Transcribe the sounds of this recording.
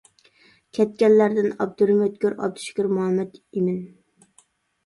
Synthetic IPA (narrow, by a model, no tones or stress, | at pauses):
kʲʰɛt̪̚kʲɛnlæɾd̪ɪnɑ̰b̚d̪uɾmøt̪̚kʲøɾɑ̰b̚d̪u̥ʃkʲyɾmuɦɑmːɛd̪imɪn